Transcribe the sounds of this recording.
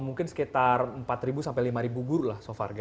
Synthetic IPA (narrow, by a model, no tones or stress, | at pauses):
muŋkɪnsə̥kit̪arəmpat̪ɾibusampajlimaɾibuɡuɾulahsofa̰rɡ